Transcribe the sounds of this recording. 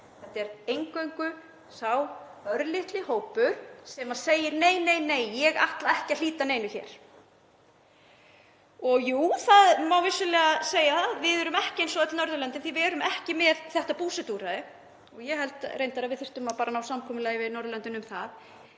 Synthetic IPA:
θɛht̪ɛɾejŋkœɥŋkʏ | sawœɾlɪht̪lɪhoːwpʏɾ̥sɛmaðseːjɪɾneːjneːjneːjːɛɣa̰ht̪laɛhcɪaliːt̪aneːjnʏçɛ̰ːɾ̥ | ɔɣjuːθaðmawvɪsʏlɛːɣaseːjaθaðvɪðɛɾʏmɛhcɪejnsɔðat̪ɪlnœɾðʏlœnt̪ɪnθivɪɛɾʏmɛhcɪmɛðθɛht̪apuːsɛt̪uːɾaðɪ | ɔɣjɛhɛlt̪rejnt̪aɾavɪðθɪ̥r̥t̪ʏmapaːɾʔanaːwsamkʰɔːmʏlaːjɪvɪðnɔɾðʏlœnt̪ɪnʏmθað

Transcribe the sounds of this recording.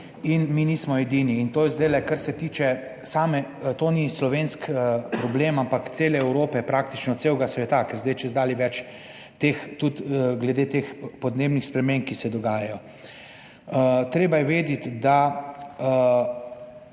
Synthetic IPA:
inminismɔɛd̪iniːnt̪oːjɛzd̪ajlɛkaɾsɛt̪iːt͡ʃɛ | saːmɛt̪oːnislɔʋeːnskpɾɔblemampakt̪seːlɛɛwɾoːpɛpɾak̚t̪it͡ʃnɔt̪sewɡasʋɛt̪akɛɾzd̪ɛjt͡ʃɛzd̪aːliʋɛt͡ʃ | t̪eːxt̪ut̪ɡlɛd̪eːt̪eːxpɔd̪neːbnixspɾɛmẽmkisɛd̪ɔɡaːjajɔ | t̪ɾeːbajɛʋeːd̪it̪d̪a

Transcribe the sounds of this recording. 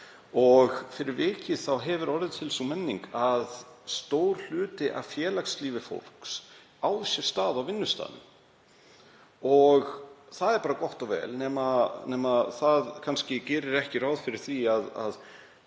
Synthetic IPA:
ɔɣfɪɾɪɾvɪːcɪθawɦɛvʏɾɔɾðɪt̪ʰɪlsumɛnːiŋkaðst̪oːwɾ̥l̥ʏːt̪ɪʔa̰vfjɛːlaksliːvɪfo̰wl̥ks | aːwðsjɛɾ̥st̪aːðawvɪnːʏst̪a̰ːðʏ̰m | ɔɣθaðɛɾpaːɾakɔht̪ɔwvɛ̰ːlnɛːmanɛːmaθaðkʰanscɪcɛːɾɪɾɛhcɪrawðfɪɾɪɾ̥θiaða̰ð

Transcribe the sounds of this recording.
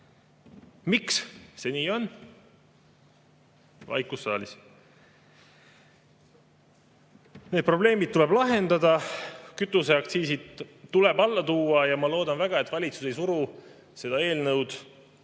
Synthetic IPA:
miksse̞niːo̞n | vɑ̰jkusːɑ̰ːlis | ne̞ːd̪̚pro̞ble̞ːmid̪̚t̪ːuleblɑɦe̞nd̪̥ɑd̪ɑkyt̪ːˑuse̞ɑk̚t̪siːsid̪̥t̪ːulebɑlːɑt̪uːɑjɑmɑlo̞ːd̪ɑnvæɡ̥ɑet̪ːvɑlʲit̪su̥se̞jsuɾu | se̞d̪̥ɑe̞ːlnɤwd̪̥

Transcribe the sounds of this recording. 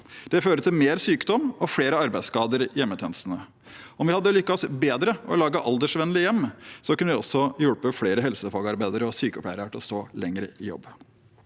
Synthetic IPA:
d̪̥ɛføːɾət̪ʰɪlmeːɾsyːkd̪ɔmːɔfɽeːɾəɑɾbæɪskɑːd̪əɾjɛmːət̪ʰjɛːnəst̪nə | ɔmʋɪhɑd̪ːəlʏkːɑɔsbeːd̪ɾəɔ̰lɑːɡəʔɑld̪əʂʋɛnəlɪjɛmːsɔkʰʉnəʋɪɔsɔjʉɽpəfɽeːɾəɦɛlsəfɑːɡɑɾbæɪd̪əɾəɔsyːkəɔpʰlæɪɾʈɪlɔst̪oːlɛŋɾəɪjɔ̰bː

